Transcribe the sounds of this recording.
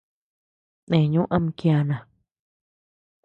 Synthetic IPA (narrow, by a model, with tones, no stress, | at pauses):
nẽ˨ɲũ˦ʔã˦m̃˧kja˧˨nã˨